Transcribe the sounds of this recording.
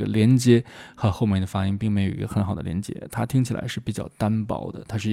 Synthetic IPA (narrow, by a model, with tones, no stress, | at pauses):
ɡə̰˧ljɛ˧˥nt͡ɕjɛ˧˥xɤ˧˥xo˥˧ʊmjɛ˥˩nd̪ə˩fa˥i˥ŋpi˥˩ŋme˧˥ɪjo˨˩ʊi˧˥ɡə˧xə˧˥nxɑ˨˩ʊd̪ə̰˧ljɛ˧˥nt͡ɕjɛ̰˧˥t̪ʰa˥t̪ʰi˥ŋt͡ɕʰi˨˩la̰˧˥ɪʂɻ̩˥˩pi˨˩t͡ɕjɑ̰˥˩ʊt̪a˥npɑ̰˨˩˥ʊd̪ə̰˧t̪ʰa˥ʂɻ̩˥˩